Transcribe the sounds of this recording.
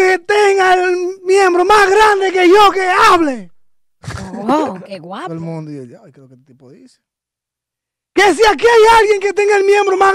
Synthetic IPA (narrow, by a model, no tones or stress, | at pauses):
ket̪eŋɡaelmjembɾomasɣɾand̪ekeʝokeaβle | keɣwaelmũnd̪oioʎajkɾeoket̪ipoðise̥ | kes̬iakiajalɣjeŋket̪eŋɡaelmjẽmbɾoma